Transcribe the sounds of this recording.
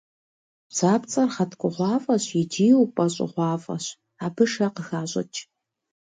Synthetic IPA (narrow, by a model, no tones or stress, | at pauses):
zaːpt͡sʼɐrχɐtʰkʷʼʊʁʷɑːfʼɐɕjɪdiːwpʼɐɕʼɪ̰ʁʷɑːfʼɐ̰ɕ | aːbɨʂɐqəxaːɕʼɐ̰t͡ʃʼ